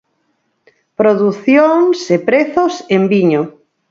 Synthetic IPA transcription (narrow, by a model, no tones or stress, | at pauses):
pɾoðuθjoŋsepɾeθosembiɲo